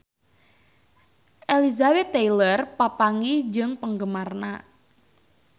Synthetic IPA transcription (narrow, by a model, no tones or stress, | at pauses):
ʔelizabɛt̪ːejlərpapaŋid͡ʒɨŋpəŋɡəmarna